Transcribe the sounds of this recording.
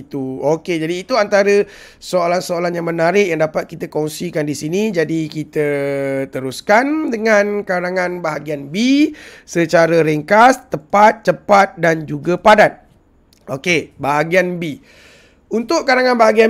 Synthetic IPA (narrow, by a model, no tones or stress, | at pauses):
t̪uoked͡ʒadiːt̪uant̪aɾə | soalansoalanjaŋmənaɾɪʔjaŋdapat̪̚kit̪akɔŋsikandisinĩd͡ʒadikit̪ət̪əɾuskandəŋãnkaɾaŋãnbaɦaɡianbisət͡ʃaɾəɾiŋkast̪əpat̪̚t͡ʃəpat̪̚dand͡ʒuɡapadan̚ | ʔokebaɦaɡianbi | unt̪ʊʔkaɾaŋãnbaɦaɡia